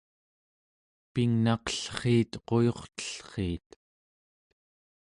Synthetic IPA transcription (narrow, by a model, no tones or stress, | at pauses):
piŋnɑqʌ̥ɬχiːt̪qo̞jo̞χt̪ə̥ɬχiːt̪